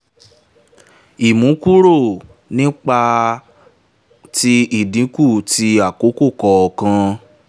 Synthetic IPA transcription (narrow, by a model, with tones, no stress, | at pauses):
i˨mũ˨˦ku˦ɾo˦˨ | nĩ˦k͡pa˧ | ti˧i˦˨dĩ˨˦ku˦˨ti˧a˦˨ko˨˦ko˦˨kɔ˧ɔ˨kã˧